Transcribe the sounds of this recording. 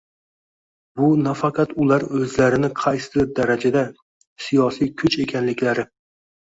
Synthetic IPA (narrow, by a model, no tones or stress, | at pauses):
bʊnafaqʰɑt̪ʊlaɾɵzlaɾɪnɪqʰɑjsɪzɪɾd̪aɾad͡ʒad̪a | sijɒsijkʲʰʊt͡ʃe̞kʲʰanlɪkʲlaɾɪ